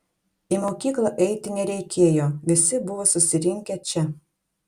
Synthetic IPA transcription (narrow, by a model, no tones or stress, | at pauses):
imoːkʲiːklˠɐʔɛɪt̪ʲɪnʲɛɾʲɛɪkʲeːjoːʋʲɪsʲɪbʊʋoːsʊsʲɪɾʲɪŋʲkʲɛt͡ʃʲɛ